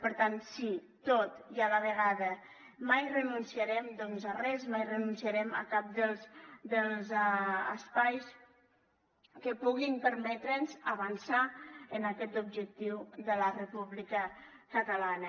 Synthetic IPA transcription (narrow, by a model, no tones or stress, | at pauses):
pəɾt̪ansi | t̪ot̪jaləβəɣaðə | majrənunsiaɾɛmd̪ɔnzərɛzmajrənunsiaɾɛmə̰kap̚d̪əlˠsd̪əlˠzəspajs | kəpuɣimpəɾmɛt̪ɾənzəβənsaənakɛt̪ub̚d͡ʒək̚t̪iwðələrəpuβlikə | kət̪əlanə